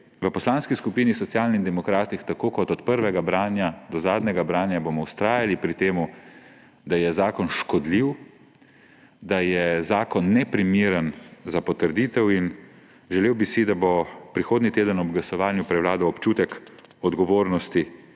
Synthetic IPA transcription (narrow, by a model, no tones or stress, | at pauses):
ʋəpɔslaːnskiskupiːnisɔt̪sjaːlnind̪ɛmɔkɾaːt̪ixt̪akoːkɔt̪ɔt̪pəɾʋɛɡabɾaːnjad̪ɔzaːd̪nʲɛɡabɾaːnjabomɔwst̪ɾaːjalipɾit̪eːmu | d̪ajɛzaːkɔnʃkɔd̪liw | d̪ajɛzaːkɔnːɛpɾimiːɾənzapɔt̪əɾd̪it̪ɛwin | ʒɛleːwbisid̪abopɾixoːd̪nit̪eːd̪ənɔb̚ɡlasɔʋaːnjupɾɛwlaːd̪ɔwɔpt͡ʃuːt̪ɛkɔd̪ɡɔʋoːɾnɔst̪i